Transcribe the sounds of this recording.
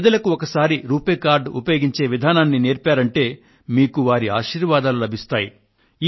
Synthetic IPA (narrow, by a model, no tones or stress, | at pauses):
d̪ɐlɐkuɔkɐsaːɾiɾuːpeːkaːɾɖṵpɐjoːɡiɲt͡ʃe̞ːʋid̪ʱaːnaːnːine̞ːɾpaːɾɐɳʈe̞ː | miːkuʋaːɾia̰ːʃiːɾʋaːd̪aːlulɐbʱist̪aːjiː